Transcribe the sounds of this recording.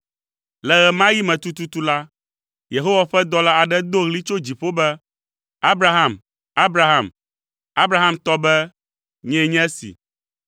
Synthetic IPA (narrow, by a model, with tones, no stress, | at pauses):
lɛ˨ɣɛ˨mã˦ji˦mɛ̃˨t̪u˦t̪u˦t̪u˦la˦ | je˨ɦo˦wa˨ɸɛ˦d̪ɔ˦la˦a˨ɖɛ˦d̪o˦ɣli˦t͡ʃo˦d͡ʑi˨ɸo˦bɛ˦ | a˦bɾa˦ɦa˨m | a˦bɾa˦ɦa˨m | a˦bɾa˦ɦã˦˨mt̪ɔ˦bɛ˦ | ɲɛ̃˦ɲɛ̃˦sḭ˨